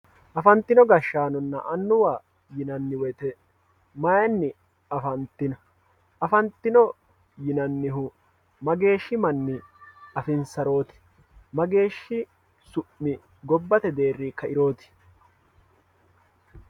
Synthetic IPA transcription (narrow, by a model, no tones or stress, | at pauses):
ʔɐfɐnt̪ːɪnɔɡɐʃːaːnɔnːɐ̰ʔɐnːʊwaː | jɪnɐnːɪwɛjt̪ɛ | mɐjɐnːɪ | ɐfɐnt̪ːɪnɐ | ʔɐfɐnt̪ːɪnɔ | jɪnɐnːɪɦʊ | mɐɡe̞ːʃːɪmɐnːɪɐfɪnsɐɾo̞ːt̪ɪ̥ | mɐɡe̞ːʃːɪ | sʊʔːɪ | ɡɔbːɐt̪ɛd̪e̞ːrːiːkːɐɪɾo̞ːt̪ɪ̥